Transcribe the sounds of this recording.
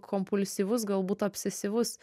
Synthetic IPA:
kʰɔmpʊlʲsʲiːʋʊs̬ɡɐlˠbuːt̪ɐpʲsʲɛsʲiʋʊs

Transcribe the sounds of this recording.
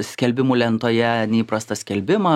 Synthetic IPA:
sʲkʲɛlʲbʲɪmuːlʲɛnt̪oːjɛnʲɛiːpɾɐst̪ɐsʲkʲɛlʲbʲɪmɐ

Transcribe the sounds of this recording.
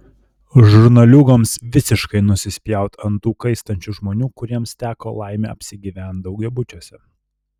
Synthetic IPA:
ʒʊɾnɐlʲʊɡoːmsʋʲɪsʲɪʃkɐɪnʊsʲɪsʲpʲjæˑʊt̪ʰɐnt̪uːkɐɪst̪ɐnʲt͡ʃʲuʒmoːnʲuːkʊɾʲiɛmst̪ʲæːko̰ːlˠɑˑɪmʲḛɐ̰pʲsʲɪɡʲiːʋʲæˑnt̪̚d̪ɒʊɡʲɛbʊt͡ʃʲusʲɛ

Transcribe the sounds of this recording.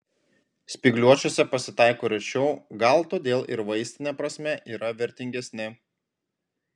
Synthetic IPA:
sʲpʲɪɡlʲuɔt͡ʃʲoːsʲɛpɐsʲɪt̪ɑˑɪkoːɾʲɛt͡ʃʲɛʊɡɐlˠt̪oːd̪ʲeːlˠɪ̰ɾʋɐɪsʲt̪ʲɪnʲɛpɾɐsʲmʲɛʔiːɾɐʋʲɛɾʲt̪ʲɪŋʲɡʲɛsʲnʲɪ

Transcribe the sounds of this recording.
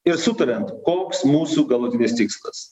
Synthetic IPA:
ɪɾsʊt̪ɐɾʲɛnt̪koːksmuːsuːɡɐlˠuːt̪ʲɪnʲɪst̪ʲɪkslˠɐs

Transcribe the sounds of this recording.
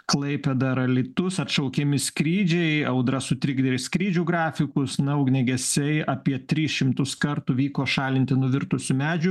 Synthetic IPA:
klˠɐɪpʲɛd̪ɐɾɐlʲɪt̪ʊsɐt̪ʃɐʊkʲemʲɪskɾʲiːd͡ʒʲɛɪɐʊd̪ɾɐsʊt̪ʲɾʲɪɡd̪ʲɛɾʲɪskɾʲiːd͡ʒʲʊɡɾɑːfʲɪkʊsnɐʊɡnʲɛɡʲɛsʲɛɪɐːpʲiɛt̪ʲɾʲiːsʃʲɪmt̪ʊskɐɾt̪uʋʲiːkoːʃɑːlʲɪnʲt̪ʲɪnʊʋʲɪɾt̪ʊsʲʊmʲæːd͡ʒʲʊ

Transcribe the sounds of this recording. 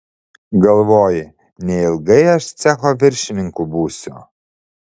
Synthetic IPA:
ɡɐlˠʋoːjɪ | nʲɛɪlˠɡɐɪɐʃt̪sʲɛxoːʋʲɪɾʲʃʲɪnʲɪŋkubuːsʲʊ̰

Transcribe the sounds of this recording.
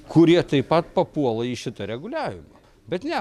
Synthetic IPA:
kʰʊɾʲiɛt̪ɐɪpɐt̪̚pɐpuɔlˠɐiːʃʲɪt̪ɐɾʲɛɡʊlʲæːʋʲɪmɐ | bʲɛt̪nʲɛ

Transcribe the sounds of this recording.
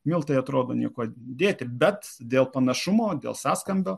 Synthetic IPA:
mʲɪlˠt̪ɐɪɐt̪ɾoːd̪oːnʲiɛkoːd̪ʲeːt̪ʲɪbʲɛt̪d̪ʲeːlˠpɐnɐʃʊmoːd̪ʲḛlˠsɑːskɐmʲbʲoː

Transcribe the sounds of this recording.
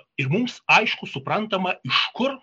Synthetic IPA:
ɪɾmʊmsɐɪʃkʊsʊpɾɐnt̪ɐmɐɪʃkʊɾ

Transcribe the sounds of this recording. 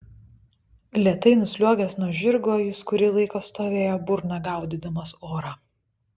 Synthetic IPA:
lʲiɛt̪ɐɪnʊsʲlʲuɔɡʲɛsnuɔʒʲɪɾɡoːjɪskʊɾʲɪlˠɐɪkoːst̪oːʋʲeːjoːbʊɾnɑɡɑˑʊd̪ʲid̪ɐmɐsoːɾɑ

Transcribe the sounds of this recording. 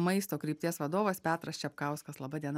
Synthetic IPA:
mɐɪst̪oːkɾʲiːpʲt̪ʲiɛsʋɐd̪oːʋɐspʲæːt̪ɾɐst͡ʃʲɛɐpkɑˑʊskɐslˠɐbɐd̪ʲiɛn

